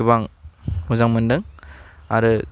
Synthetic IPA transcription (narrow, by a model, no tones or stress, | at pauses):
ibaŋmuzaŋmɯndɯŋa̰ɾɯ